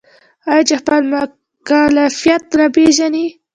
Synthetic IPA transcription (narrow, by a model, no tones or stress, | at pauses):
ajat͡ʃexpəlmʊ | kalafijat̪napeʒani